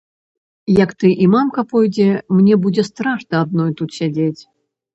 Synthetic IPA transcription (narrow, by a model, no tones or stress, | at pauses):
jɐkt̪ɨʔimamkɐpɔjd͡zʲɛmnʲɛbud͡zʲɛst̪ɾaʂnɐːd̪̚nɔjt̪ut̪sʲad͡zʲet͡sʲ